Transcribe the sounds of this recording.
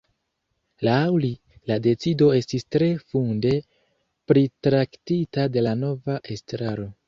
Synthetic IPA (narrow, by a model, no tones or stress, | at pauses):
lawli | lade̞t͡sido̞e̞stistɾe̞funde̞ | pɾitɾaktitade̞lano̞vaʔe̞stɾaɾo̞